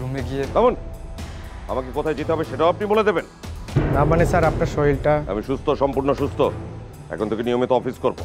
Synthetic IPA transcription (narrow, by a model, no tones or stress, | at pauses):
ɾumeɡijet̪ɔmon | a̰makekot̪ʰajd͡ʑit̪eɦɔbeʃeʈaoapniboled̪ebennamanesaɾapnaɾʃɔjlʈaa̰miʃust̪ʰoʃɔmpuɾnoʃust̪ʰo | ɛ̰kʰont̪ʰekenijomit̪oɔfiskoɾbo̰